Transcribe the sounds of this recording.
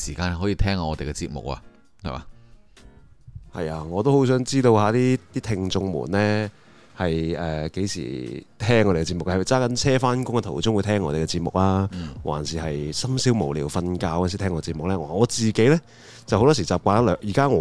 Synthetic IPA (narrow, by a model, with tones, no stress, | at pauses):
siː˨˩kaː˧nhhɔː˨˥jiː˨˧t̪ʰɛː˥ŋa˧ɔː˨˧t̪e˨jkɛ˧t͡sḭː˧t̚mʊ̰˨k̚a̰˧ | hɐ̰˨˩ma̰ː˨˧ | hɐ̰˨jaː˧ŋɔː˨˧t̪o˥who˨˥ws̬œː˨˥ŋt͡siː˥t̪o˧whaː˨˧t̪iː˥t̪iː˥t̪ʰɪ˧ŋt͡ʃʊ˧ŋmṵː˨˩nlɛː˥ | hɐ˨jɛː˨ke˨˥jsḭː˨˩t̪ʰɛː˥ŋːɔ˧ɾe˨˩˧ɛ˧t͡siː˧pmʊ˨kɐ˨˩wt͡saː˥kɐ˨˥nt͡sʰɛː˥faː˥nkʊ˥ŋɐ˨t̪ʰo˨˩wt͡sʊ˥ŋwu˨˧jt̪ʰɛː˥ŋːɔː˧te˨jkɛ˧t͡siː˧t̚mʊ̰˨k̚laː˥wʔa̰ː˨˩nsiː˨hɐ˨jsɐ˥msiː˨˥wmo˨˩wliː˨˩wfɐ˧nkaː˧wɔː˧˥nsiː˨t̪ʰɛː˥ŋɔː˨˧ɛ˧t͡siː˧p̚mʊ˨k̚lɛː˥ŋɔ˨ŋɔː˨˧t͡siː˨ke˨˥jlɛ˥ | t͡sɐ˨who˦wt̪ɔː˥siː˨˩t͡saː˨˩p̚kʷaː˧˥lœː˨˧jiː˨˩kaː˥ŋɔ˨˧